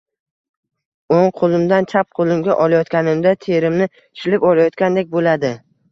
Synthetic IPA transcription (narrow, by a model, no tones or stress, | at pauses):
oŋqʰolˠɪmd̪ant͡ʃʰap̚qʰolˠɪmɡʲaʔɒlˠajɒt̪kʲanɪmd̪at̪ʰe̞ɾɪmnɪ | ɪʃlɪpɒlajɒt̪kʲand̪ek̚ʲbolad̪ɪ